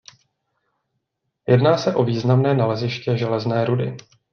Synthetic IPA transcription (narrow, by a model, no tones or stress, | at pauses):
jʔɛdnaːsɛʔo̞viːznamnɛːnalɛzɪʃcɛʒɛlɛznɛːɾudɪ̰